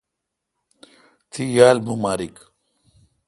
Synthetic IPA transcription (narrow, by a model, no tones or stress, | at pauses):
t̪ʰijaːlbumaːɾik